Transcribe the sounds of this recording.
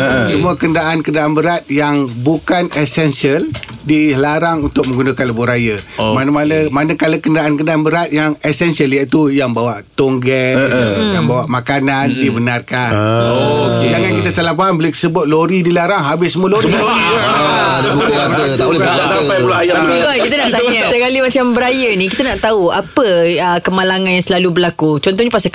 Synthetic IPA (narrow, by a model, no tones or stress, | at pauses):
səmuakəndaʔankədaʔanbəɾat̪̚jaŋbukanɛsɛnsiəldilaɾaŋunt̪ʊk̚məŋɡunakanləbuhɾajəmanəmalamanakalakəndaʔankəndaʔanbəɾat̪̚jaŋɛsɛnsiəljait̪ujaŋbawaʔt̪oŋɡɛ | jaŋbawaʔmakanandibənarkaojaŋjaŋkit̪asalapanbolekə̥səbʊt̪̚loɾidilaɾaŋɦabɪsəmuəloɾsiaadmaakasaajulɔajaakit̪anaʔt̪auasəkalimat͡ʃambəɾajənĩkit̪anaʔt̪auapəəkəmalaŋãnjãŋsəlalubəlakut͡ʃɔnt̪ɔhɲəpasa